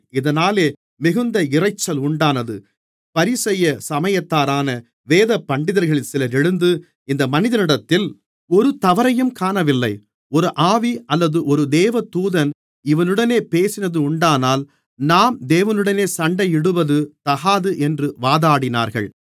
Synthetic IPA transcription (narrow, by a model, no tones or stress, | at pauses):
ɪðɐnaːleː | mɪɣɯnd̪ɐɪrɐɪt͡ʃːɐlʊɳɖaːnɐðɯ̰ | pɐɾɪsɛjːɐsɐmɐjɐt̪ːaːɾaːnɐ | ʋeːðɐpːɐɳɖɪðɐɾɣɐɭɪlsɪlɐɾɛɻɯnd̪ɯ | ɪnd̪ɐmɐnɪðɐnɪɽɐt̪ːɪl | ɔɾɯt̪ɐʋɐɾɐjɯmkaːnɐʋɪlːɐɪ | ɔɾɯʔaːʋiʔɐlːɐðɯʔɔɾɯd̪eːʋɐt̪uːðɐn | ɪʋɐnɯɽɐneːpeːsɪnɐðɯʊɳɖaːnaːl | naːmd̪eːʋɐnɯɽɐneːsɐɳɖɐjɪɽɯʋɐðɯt̪ɐɣaːðɯʔɛndrɯʋaːðaːɽɪna̰ːɾɣɐ̰ɭ